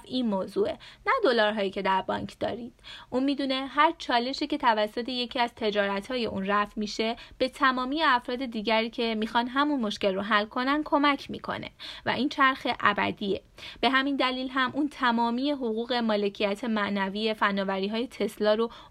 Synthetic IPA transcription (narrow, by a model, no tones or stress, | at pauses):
finmoːzuːenæd̪o̞lɒːɾɦɒːjiːcʰe̞d̪æɾbɒ̰ːɲcʰd̪ɒ̰ːɾid̪̥ʔunmiːd̪une̞ɦæɾt͡ʃʰɒːle̞ʃiːce̞t̪ʰævæsːo̞t̪ʰe̞je̞cʰiæz̥t̪ʰe̞d͡ʒɒːɾæt̪hɒːje̞ʔunræfmiʃe̞b̥e̞t̪ʰæmɒːmiːjeæfɾɒːd̪e̞d̪iːɟæɾiːcʰe̞miːxɒnd̪ɦæmunmo̞ʃce̞lroɦælːkʰo̞nænd̪kʰo̞mæcʰmikʰo̞̰ne̞̰væ̰ʔiːnt͡ʃʰæɾxe̞ʔæbæ̰d̪iːe | b̥e̞ɦæmind̪æliːlɦæmʔunt̪ʰæmɒːmiːje̞ɦoɣuːɣe̞mɒːle̞cʰijæt̪ʰe̞mæʔnæviːje̞fænːɒːvæɾiːɦɒːje̞t̪ʰe̞slɒːɾo